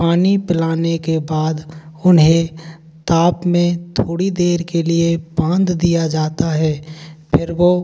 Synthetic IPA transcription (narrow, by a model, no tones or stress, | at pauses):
paːnipɪlaːnekebaːd̪ʊnɦẽ | t̪aːpmẽt̪ʰoːɽid̪eːɾkeliebãːnd̪d̪ijad͡ʒaːt̪aɦɛːpʰɪɾʋo